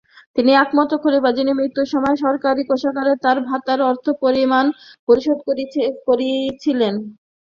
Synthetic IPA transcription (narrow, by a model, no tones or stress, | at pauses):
t̪iniɛkmɔt̪okʰoɾibad͡ʑinimɾit̪ːuʃɔmɔeʃɔɾkaɾikoʃakaɾet̪aɾbʱat̪aɾɔɾt̪ʰopoɾimanpoɾiʃod̪̚okoɾit͡ɕʰilen